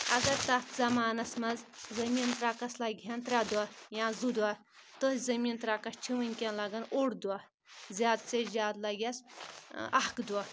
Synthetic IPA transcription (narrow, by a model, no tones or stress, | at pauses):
ɐɡɐɾt̪ɐt̪ʰzɐmaːnɐsmɐzzɐmiːnt̪ɾaːkɐslɐɡʲjɐnt̪ɾʲad̪uajãːzud̪ua | t̪əsʲzɐmiːnt̪ɾaːkɐst͡ʃʰiʋɐnʲkʲɐnlɐɡɐnoɽd̪ua | zʲjaːd̪t͡sezʲjaːd̪lɐɡʲɐs | ɐɦkd̪ua